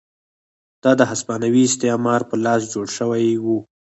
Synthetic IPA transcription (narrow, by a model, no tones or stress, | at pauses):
d̪̥ɑd̪əɦaspɑnawiɪst̪ɪɑmɑɾpəlɑsd͡ʒoɽʃəwajwu